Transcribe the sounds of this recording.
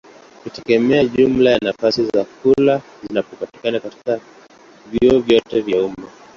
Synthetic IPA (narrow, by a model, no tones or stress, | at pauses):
kutɛɡɛmɛaʄumlajanafasizakula | zinapɔpati̥kanakati̥ka | vjiɔvjɔtɛvjauma